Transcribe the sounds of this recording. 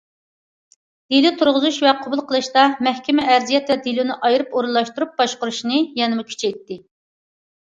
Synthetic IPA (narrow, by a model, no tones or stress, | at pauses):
d̪̥elut̪ʰuɾʁʊzuʃvɛqʰobulˠqʰəlˠɨʃt̪ɑmɛhkʲɛmɛʔæɾzijɛt̪vɛd̪ilunɨʔɑjiɾɨpoɾulˠːɑʃt̪uɾup̚bɑʃqʊɾuʃnɨjɛnɪmukʲʰy̥t͡ʃʰɛjt̪ːɪ